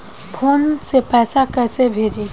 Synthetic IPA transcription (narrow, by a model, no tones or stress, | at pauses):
bʰonsepɛsakɛsebʱed͡ʒi